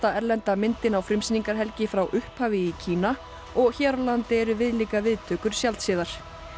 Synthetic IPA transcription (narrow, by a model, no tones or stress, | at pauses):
t̪aɛɾlɛnt̪amɪnt̪ɪnawfɾɪmsniŋkaɾ̥ɦɛlcɪfɾawʔʏhphaːvɪicʰiːna | ɔɣçɛɾalant̪ɪɛɾʏvɪðliːkavɪðt̪ʰœːkʏɾ̥sjalt̪sɪːðaɾ̥